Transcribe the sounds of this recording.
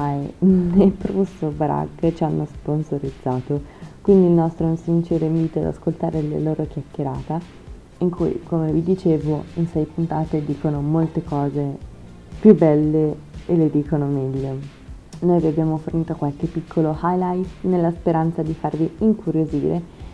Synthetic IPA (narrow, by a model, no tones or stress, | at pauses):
aenepɾusobɾa̰ɡt͡ʃianːosponsoɾid̪zːaːt̪okwind̪ilnɔst̪ɾoinsint͡ʃeːɾemiːt̪oa̰d̪a̰skolt̪aːɾelḛloːɾokjakːeɾa̰ːt̪a | iŋkujkomevid̪it͡ʃeːvoinsɛjpunt̪aːt̪ed̪iːkonomolt̪ekɔːze | pjubːɛlːe | eled̪iːkonomɛʎːo | nojviabːjaːmoforniːt̪okwalkepːikʰːolohajlajt̪nelːaspeɾant̪sad̪ifarviiŋkuɾjozḭːɾe